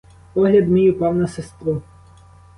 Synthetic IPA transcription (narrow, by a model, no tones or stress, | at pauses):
pɔɦlʲɐd̪mʲijupɑwnɐsest̪ɾu